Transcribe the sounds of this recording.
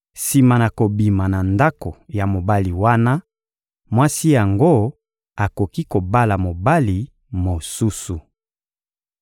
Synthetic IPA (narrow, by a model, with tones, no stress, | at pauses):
si˨ma˨na˨ko˨bi˨ma˨na˨nda˦ko˨ja˨mo˨ba˦li˨wa˦na˦ | mwa˦si˦ja˨ŋɡo˦ | a˨ko˨ki˦ko˨ba˦la˨mo˨ba˦li˨ | mo˨su˦su˨